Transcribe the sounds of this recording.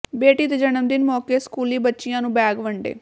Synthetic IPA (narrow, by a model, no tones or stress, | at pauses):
beːʈiːt̪ed͡ʒənəmd̪ɪnmɔːkeːskuːliːbətːʃɪjãːnũːbɛːɡʋəɳɖḛː